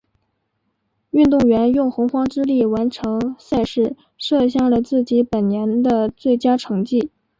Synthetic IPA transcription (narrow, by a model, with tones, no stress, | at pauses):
y˥˧nt̪ʊ˥˩ŋɥɛ˧˥njʊ˥˩ŋxʊ˧˥ŋxwɑ˥ŋʈ͡ʂɻ̩˥li˥˩wa˧˥nʈ͡ʂʰɤ˧˥ŋsa˥˧ɪʂɻ̩˥˧ | ʂɤ˥˧ɕ̬jɑ˥˩ŋlə˩t͡sɹ̩˥˩t͡ɕi˧˥pə˨˩nnjɛ˧˥nd̪ə˧t͡swe˥˩ɪt͡ɕja˥ʈ͡ʂʰɤ˧˥ŋt͡ɕi˥˩